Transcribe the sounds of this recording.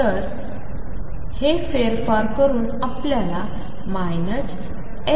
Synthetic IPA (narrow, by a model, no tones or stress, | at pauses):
t̪əɾ | hefeɾfaɾkəɾuːnapljala | majnəs | e